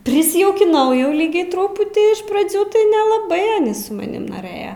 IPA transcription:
pʲrʲɪsʲɪjɛʊkʲɪˈnɐʊ jɛʊ ˈlʲiːɡʲɛɪ ˈtrʊpʊtʲiː ɪʃ prɐˈd͡zʲuː tɐɪ nʲɛlˠɐˈbɐɪ sʊ mɐˈnʲɪm noːˈrɘjɛ

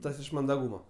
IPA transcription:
ˈtɐs ɪʃ mɐndɐˈɡuːmɐ

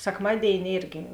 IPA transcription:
sʲɛkˈmɑːdʲeːɪnʲɪ ˈeːrʲɡʲɪ

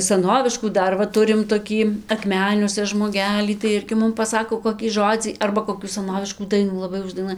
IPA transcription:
sɐˈnoːʋʲɪʃkuː ˈdɐr ʋɐ ˈtʊrʲɪm toːˈkʲiː ɐkˈmʲæːnʲuɔsʲɛ ʒmoːˈɡʲæːlʲiː tɐɪ ˈɪrʲɡʲɪ ˈmʊm pɐˈsɑːkoː koːkʲiː ˈʒoːd͡zʲiː ˈɐrbɐ koːˈkʲuː sɐˈnoːʋʲɪʃkuː ˈdɐɪnuː lˠɐˈbɐɪ ʊʒdɐɪˈnuɔj

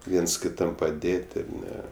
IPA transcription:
ˈʋʲiɛns kʲɪˈtɐm pɐˈdʲeːtʲ ɪr ˈnʲɛ

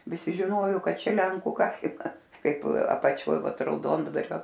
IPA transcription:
ʋʲɪˈsʲɪ ʒʲɪˈnoːjoː ˈkɐt ˈt͡ʃʲɛ ˈlʲɛŋkʊ ˈkɐɪmɐs ˈkɐɪp ɐpɐˈt͡ʃʲoːj ˈʋɐt rɐʊˈdoːndʋɐrʲoː

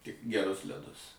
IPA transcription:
tʲɪk ɡʲɛˈrʊs lʲɛˈdʊs

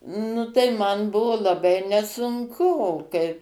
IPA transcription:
ˈnʊ tɐɪ ˈmɐn ˈbʊʋoː lˠɐˈbɐɪ nʲɛsʊŋˈkʊ oː ˈkɐɪ

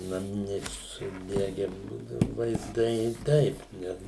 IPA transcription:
nɐˈmʲɪnʲɛɪ sʊˈdʲæːɡʲɛ ˈbuːdɐʊ ʋɐɪzˈdɐɪ ˈtɐɪp ˈnʲɛ

